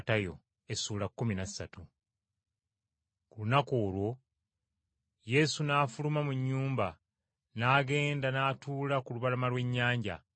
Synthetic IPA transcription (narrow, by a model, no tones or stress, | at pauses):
tajo̞̰ | e̞suːlakːuminasːatu | kulunakoːlwo̞ | je̞sunaːfulumamuɲːuːmba | naːɡe̞ːndanaːtuːlakuluβalamalwe̞ɲːaːɲɟa̰